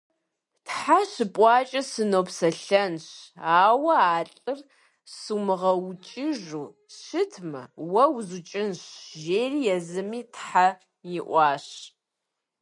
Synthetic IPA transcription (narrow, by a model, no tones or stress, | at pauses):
tħaɕɨpʼɑːt͡ʃʼɐsɨnoːpsɐɬɐnɕaːwɐaːɬʼɨr | sumɨʁɐwt͡ʃʼɪʒuː | ɕɨtʰmɐ̰wɐwzut͡ʃʼɪnɕʒeːriːjɛzɨmiːtħa | jɪʔʷɑːɕ